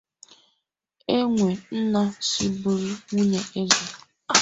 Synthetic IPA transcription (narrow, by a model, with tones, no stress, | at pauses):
e˦ŋʷe˨n̩˦na˦si˦bʊ˨ɾi˦ŋu˦ɲe˦ʔe˦ze˨